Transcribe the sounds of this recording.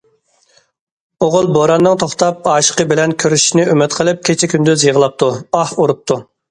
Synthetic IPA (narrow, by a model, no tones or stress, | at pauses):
oʁʊlˠboɾɑnːɨŋt̪ʰoχt̪ɑp̚ɑːʃə̥qəbɪlɛnkʲʰøɾyʃinɪømɪt̪qʰəlˠɪp̚kʲʰet͡ʃʰɛkʲʰynd̪yzjiʁəlˠɑp̚t̪ʰuɑhuɾup̚t̪ʰu